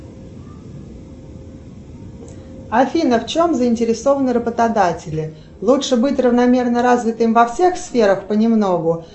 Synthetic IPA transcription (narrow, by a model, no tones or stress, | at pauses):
ɐfʲinəft͡ɕo̞mzəɪnʲtʲɪɾʲɪsovənɨɾəbət̪ɐd̪atʲɪlʲɪ | lˠutʂɨbɨtʲrəvnɐmʲe̞rnəɾazvʲɪt̪ɨmvɐfsʲe̞xsfʲe̞ɾəxpənʲɪmno̞ɡʊ